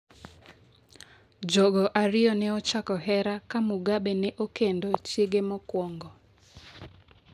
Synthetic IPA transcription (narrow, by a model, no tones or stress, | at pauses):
d͡ʒɔɡɔʔaɾɪjɔnɛɔt͡ʃakɔɦɛɾakamuɡabenɛʔokendot͡ʃeɡemɔkwɔŋɡɔ